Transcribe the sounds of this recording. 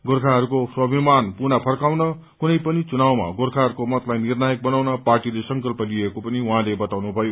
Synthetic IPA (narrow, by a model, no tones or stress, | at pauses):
ɡorkʰaɦʌɾukoswʌbimanpunapʰʌrkawnʌ | kunʌjpʌnit͡sunawma̰ɡorkʰaɦʌɾukomʌt̪lajnirnajʌk̚bʌnawnʌparʈilesʌŋkʌlpʌliekopʌniwɦãlebʌt̪awnubʱʌjo